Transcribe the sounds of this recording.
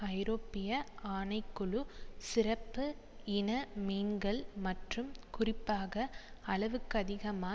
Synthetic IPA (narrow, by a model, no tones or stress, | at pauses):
ɐɪɾoːpːɪjɐaːnɐɪkːʊɭʊsɪrɐpːɯ | ɪnɐmiːnɡɐɭmɐʈrɯmkʊrɪpːaːɣɐ | ɐɭɐʋɯkːɐðɪɣɐmaː